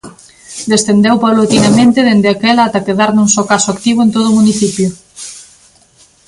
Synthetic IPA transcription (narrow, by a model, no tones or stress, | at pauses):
d̪est̪end̪ewpaβlot̪inamẽnt̪eðend̪eakelaat̪akeðaɾnuŋsokasoakt̪iβ̞oent̪oð̞umuniθipjo